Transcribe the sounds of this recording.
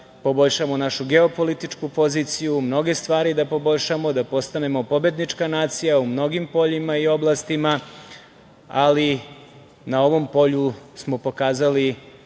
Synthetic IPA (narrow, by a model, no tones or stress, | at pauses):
po̞bo̞ʎʃamo̞naʃuɡe̞o̞po̞lit̪it͡ʂkupo̞zit̪sijumno̞ɡe̞st̪ʋaːɾid̪apo̞bo̞ʎʃamo̞d̪apo̞st̪ane̞mo̞po̞bje̞d̪nit͡ʂkanaːt̪sijaumno̞ɡimpo̞ʎimaio̞blˠast̪ima | ali | nao̞ʋo̞mpo̞ʎusmo̞po̞kaːzali